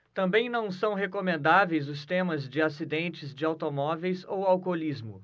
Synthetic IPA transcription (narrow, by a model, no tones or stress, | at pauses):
t̪ɐ̃mbẽj̃nɐ̃w̃sɐ̃w̃ɦekomẽnd̪avejzʊst̪ẽmɐzd͡ʒɪasid̪ẽnt͡ʃɪzd͡ʒɪawt̪omɔvejzowawkolizmʊ̰